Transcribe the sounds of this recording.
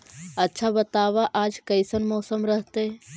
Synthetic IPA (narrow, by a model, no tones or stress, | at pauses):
ətːʃʰabət̪aːʋaʔaːd͡ʒkəɪsənmɔːsəmɾəɦt̪e